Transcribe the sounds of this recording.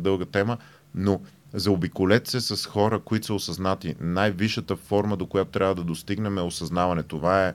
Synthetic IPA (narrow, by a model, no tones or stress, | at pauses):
d̪ɤlˠɡət̪ɛmə | no | zɐobikʊlɛt̪sɛsɐsxɔɾəkoit̪o̥səosɐznat̪inajviʃət̪əfɔɾməd̪okojat̪o̥t̪ɾʲavəd̪ɐd̪ost̪iɡnɛmɛosɐznavɐnɛt̪ovaɛ